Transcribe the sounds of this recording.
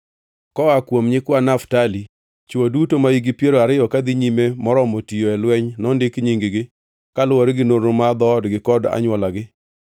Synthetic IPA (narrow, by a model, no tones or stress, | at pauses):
kɔakwomɲɪkwanaftali | t͡ʃodutomaiɡɪpjeɾoaɾɪjɔkad̪ɪɲimemɔɾɔmotijoɛlwɛɲnɔndɪkɲiŋɡɪɡɪ | kalʊwoɾɡɪnoɾomad̪ɔdɡɪkɔda̰ɲwɔlaɡɪ